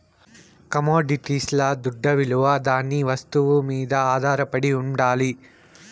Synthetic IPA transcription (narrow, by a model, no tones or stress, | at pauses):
kɐmoːɖiʈislɐd̪uɖʱːɐʋiɭuʋɐd̪aːnːiʋɐst̪uʋumiːd̪ɐaːd̪ʱaːɾɐpɐɽiuɳɖaːli